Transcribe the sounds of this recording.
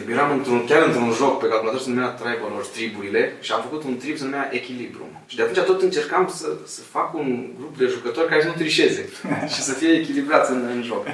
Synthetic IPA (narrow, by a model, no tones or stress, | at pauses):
jeɾamɨnt̪ɾunkʲaɾɨnt̪ɾunʒo̞kpekalkulat̪osənumeat̪ɾajvolort̪ɾibuɾile̞ʃiamfəkut̪unt̪ɾibsənumeaʔe̞kʲilibɾṵ | ʃid̪eat̪unt͡ʃat̪o̞t̪ɨnt͡ʃe̞rkamsəsəfakunɡɾupd̪e̞ʒukət̪o̞rʲkaɾesənut̪ɾiʃe̞ze̞ʃisəfije̞ːkʲilibɾat̪sɨnɨnʒo̞ɡ